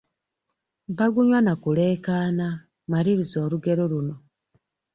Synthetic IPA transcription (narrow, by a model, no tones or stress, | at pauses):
βaɡuɲwanakule̞ːkaːna | maɾiɾizo̞ːɾuɡe̞ɾo̞luno̞